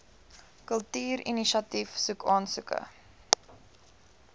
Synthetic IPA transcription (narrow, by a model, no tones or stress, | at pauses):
kəlˠtiːɾiniʃɐtifsukɑːnsʉkə̰